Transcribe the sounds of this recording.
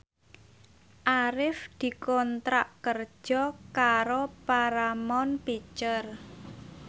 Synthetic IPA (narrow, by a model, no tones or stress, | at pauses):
ʔaɾɪfd̪̥i̤kɔnt̪ɾaʔkər̥ʒ̥ɔkaɾopaɾamɔnpit͡ʃər